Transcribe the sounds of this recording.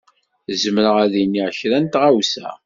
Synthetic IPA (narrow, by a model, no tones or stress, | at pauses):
zəməɾəʁæðinːiʕçɾænt̪ʁawsæ̰